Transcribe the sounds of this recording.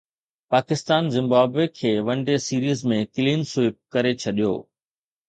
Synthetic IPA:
paːkɪst̪aːnzɪ̃mbaːbekʰeːʋɐ̃ɳɖesiːɾiːzmẽkɪliːnsʊɪp̚kɐɾet͡ɕʰɐɗijo̰ː

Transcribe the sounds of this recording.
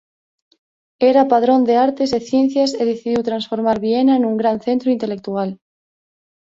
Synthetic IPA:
eɾapað̞ɾo̞nd̪eaɾt̪e̞zeθje̞nθjaseðeθiðiwt̪ɾansfo̞ɾmaɾβienaenũŋɡɾanθe̞nt̪ɾuint̪e̞le̞k̚t̪ual

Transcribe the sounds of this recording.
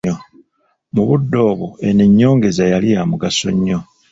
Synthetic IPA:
o | muβudːo̞ːβoeneɲːo̞ːŋɡe̞zajalijaːmuɡaso̞̰ɲːo̞

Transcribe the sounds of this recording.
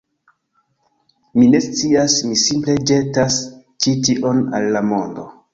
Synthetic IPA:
mine̞st͡siasmisimple̞d͡ʒe̞tas | t͡ʃitiʔo̞na̰lːamo̞ndo̞̰

